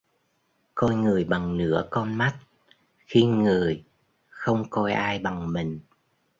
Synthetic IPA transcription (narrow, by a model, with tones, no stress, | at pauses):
kɔ˧jŋɨ˨˩əjɓa˨˩ŋnɨ̰˧˥əkɔ˧nma˦˥t̚ | xi˧ŋɨ˨˩əj | xə˧wŋ͡mkɔ˧jʔaː˧jɓa˨˩ŋmï˨˩ŋ̟